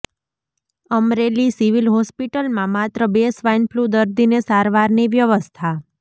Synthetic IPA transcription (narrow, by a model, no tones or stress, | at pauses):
əmɾelisiʋilɦɔspiʈəlmãmat̪ɾəbesʋajnpʰlud̪əɾd̪inesaɾʋaɾniʋjəʋəst̪ʰa